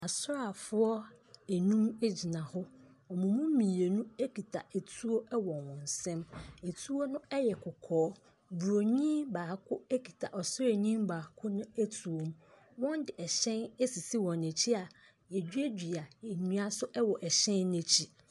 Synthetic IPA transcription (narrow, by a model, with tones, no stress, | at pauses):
a˨sʊ˦ɾa˨fʊ˦ɔ˦æ˨nũ˦me˦d͡ʑi˨nã˨hʊ˦ | ɔ˨mũ˨mũ˦mĩ˨e˨nũ˦e˦kʰi˨tʰa˨e˨tʰu˦o˦ɛ˦wɔ˨wɔ̃˨n˨sɛ̃˦me˨tʰu˦o˦nʊ̃˦ɛ˦jɛ˨kʰʊ˨kʰɔː˦ | bu˨ɾo˨ɲĩ˦baː˨kʰʊ˦e˦kʰi̥˨tʰa˨ʔɔ˨sʊ˦ɾe˨ɲĩ˦m˦ba˨kʰʊ˦nʊ̃˦æ˦tʰu˨o˨m | wɔ̃˦n˦dɪ˨ʔɛ˨ɕɛ̃˦ne˦si˨si˦wɔ̃˨ne˨t͡ɕʰi˦a˨ | jɛ˨d͡ʑᶣɥe˦d͡ʑᶣi˨a˨e˨ɲũ˦a˦sʊ˦ʔɛ˦wɔ˨ʔɛ˨ɕɛ̃˦nː˦e˦t͡ɕʰi˦